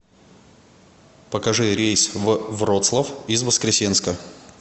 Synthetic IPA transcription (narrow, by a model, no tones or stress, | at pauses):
pəkɐʐɨɾʲejsʲvvrot̪slˠəfɪzvəskɾʲɪsʲenskə